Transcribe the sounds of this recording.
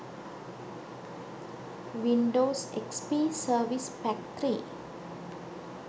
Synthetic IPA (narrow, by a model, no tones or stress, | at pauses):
wĩndosɛ̰kspisəvispɛk̚t̪ɾi